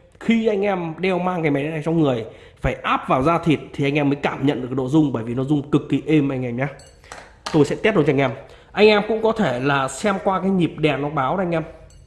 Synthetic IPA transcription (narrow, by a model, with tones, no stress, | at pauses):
xi˧ʔa˧jŋ̟ʔɛ˧mɗɛ˧wmaː˧ŋaː˨˩mɛ˨˦ɗa˨˩t͡ɕɔ˧wŋ͡mŋɨ˨˩əj | faː˧˩jʔaː˦˥p̚vaː˨˩wzaː˧t̪ʰi˨˩t̚t̪ʰi˨˩ʔa˧ŋʔɛ˧mːəː˨˦jkaː˧˩mɲə̰˧˨nɗɨ˨˩ə˩k̚ɗo̰˧˨zʊ˧ŋ͡mɓəː˧˩jvi˨˩nɔ˧˦zʊ˧ŋ͡mkɨ˨˩kːi˨˩ʔe˧mʔa˧jŋ̟ʔɛː˧mɲaː˨˦ | t̪o˧jsɛ̰˧˥t̪i˦˥t̚ɗo˨˧˦t͡ɕːŋʔɛ˧m | ʔa˧jŋ̟ʔɛ˧mkʊ̰˧˥ŋ͡mkɔ˨˦t̪ʰe˧˩laː˨˩sɛ˧mkwaː˧kaː˨˦jɲi˨˩p̚ɗɛ˨˩nɔ˨˦ɓaː˨˦wa˧jŋ̟ʔɛ˧m